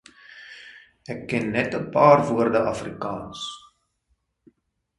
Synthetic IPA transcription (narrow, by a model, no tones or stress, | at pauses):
ɛkːɛnːɛtəpɑːrvuərdəʔɐfrikɑːns